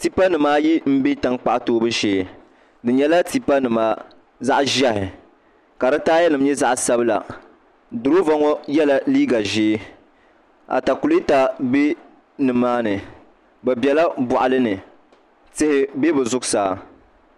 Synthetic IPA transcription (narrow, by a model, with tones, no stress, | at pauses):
ti˦pa˦nɨ˨maː˦ji˦m̩˦bi˦ta˦ŋk͡pa˨ʔtoː˦bɨ˦ʃeː˦ | dɨ˨ɲɛ˦la˦ti˦pa˦nɨ˨maː˦ | za˦ʔʒa˦hɪ˨ | ka˨ɾɨ˦taː˦jɛ˦nɨ˨m˦ɲɛ˦za˦ʔsa˦bɨ˦la̰˨ | dʊ˨ɾo˦va˦ŋɔ˦jɛ˦la˨liː˦ɡa˨ʒeː˦ | a̰˨ta˨ku˨li˦ta˨bi˦ | nɨ˨mːaː˦nɨ˨ | bɛ˨bɛ˨la˦bʊ˨ʔa˨lɨ˦nɨ˨ | tɪ˦hɪ˦be˦bɨ˨zʊ˦ɡsaː˨˦˨